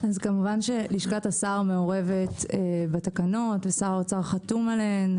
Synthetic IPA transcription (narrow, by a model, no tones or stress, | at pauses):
azkamuvanʃe̞liʃkatasaʁmeo̞ʁe̞vetebatakano̞tvesaʁot͡saʁχatumalen